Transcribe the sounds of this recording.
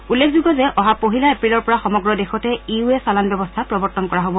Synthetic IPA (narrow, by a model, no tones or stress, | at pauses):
ulːekʰzuɡɔzɛʔʔɔɦapoɦilaepɹilɔɹpɔɹaxɔmɔɡɹɔdexɔtɛiuɛsalanbɔbɔstʰapɹɔbɔɹtɔnkɔɹaɦobɔ